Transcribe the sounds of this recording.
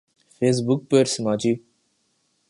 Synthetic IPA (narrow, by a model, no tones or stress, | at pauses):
feːs̬bʊk̚pəɾsmaːt͡ʃi